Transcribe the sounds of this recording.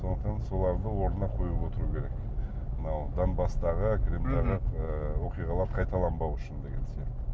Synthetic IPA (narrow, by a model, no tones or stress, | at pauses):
so̞nəq̚t̪ɑnso̞lˠɑɾd̪əwo̞ɾənɑqʰo̞jəpwo̞t̪əɾukʲʰe̞ɾek | mənɑwd̪ɑnbɑst̪ɑʁəkʲʰɾimld̪ɑʁəəwo̞qijʁɑlˠɑɾqʰɑjt̪ɑlˠɑmbɑwʏʃɪnd̪e̞ɡʲe̞nsijɑqt̪ːɪ